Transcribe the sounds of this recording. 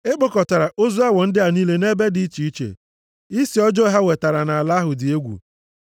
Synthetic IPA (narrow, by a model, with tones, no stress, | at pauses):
e˦k͡po˦˨kɔ˨ta˨ɾa˨ʔo˦zu˦a˦wɔ˨n̩˦dɪ˦a˨niː˦le˦ne˦be˦di˨˦i˦t͡ʃi˨i˦t͡ʃḛ˨ | i˦si˨ɔ˦d͡ʒɔ˦ɦa˦we˨ta˨ɾa˨na˨a˨la˦ɦʊ˨dɪ˨e˦ɡʷṵ˨